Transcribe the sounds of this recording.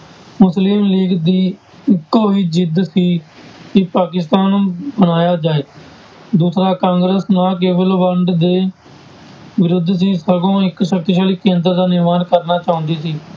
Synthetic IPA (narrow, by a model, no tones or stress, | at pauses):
mʊslimliːɡd̪iː | ɪkːoːɦiːd͡ʒɪd̪siːkɪpaːkɪst̪aːnuːbənaːjaːd͡ʒaːeː | d̪uːsɾaːkãːŋɡɾəsnaːk̬eːʋəlbəɳɖd̪eː | ʋɪɾʊd̪ʱs̬iːsəɾɡõːɪkʃək̚t̪iʃaːliːkːẽːnd̪əɾd̪aːnɪɾmaːnkəɾnaːt͡ʃaːʊ̃nd̪iːsiː